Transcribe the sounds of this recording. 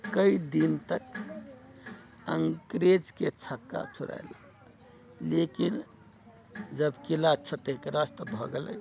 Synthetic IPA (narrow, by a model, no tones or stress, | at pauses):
kəid̪int̪ək | əŋkɾed͡ʒket͡ʃʰəkːa̰t͡ʃʰuɾa̰la | lekin | d͡ʒəbkilat͡ʃʰat̪eɦikeɾast̪ɔbʱɔɡelə̰j